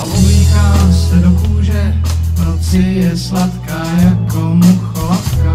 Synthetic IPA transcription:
aʔubiːkaːsɛdokuːʒɛnot͡sɪjɛslat̪kaːjakomuxolapka

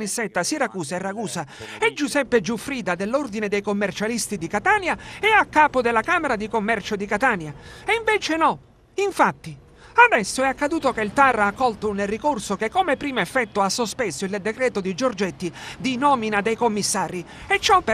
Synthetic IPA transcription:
nisːɛt̪ːasiɾakuːsaerːaɡuːsaɛd͡ʒusɛpːed͡ʒufɾiːd̪ad̪elːord̪ined̪ejkomːert͡ʃalist̪id̪ikat̪aːnjaɛakːaːpod̪elːakaːmeɾad̪ikomːɛrt͡ʃod̪ikat̪aːnjaeiɱveːt͡ʃenɔ | iɱfat̪ːi | ad̪ɛsːoɛakːad̪uːt̪okeilt̪arːakːɔlt̪ounːerikorsokekːomepːɾiːmoefːɛt̪ːoasːospesoild̪ekɾɛːt̪od̪id͡ʒord͡ʒɛt̪ːid̪inɔːminad̪ejkomːisːaːɾi | ɛt͡ʃːɔpː

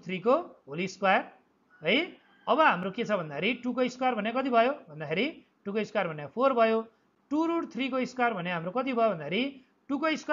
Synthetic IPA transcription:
t̪ʰrikobʱoliskwar | ɦoj | ʌbʌɦamɾoket͡sʰʌbʱʌnd̪akʰeɾiʈukoiskwarbʱʌnjakʌt̪̬ibʱʌjobʱʌnd̪akʰeɾi | ʈukʌjskwarbʱʌnjapʰorbʱʌjo | ʈuɾuɽt̪ʰrikoiskarbʱʌnjaɦamɾokʌt̪̬ibʱʌjobʌnd̪akʰeɾi | ʈukʌisk

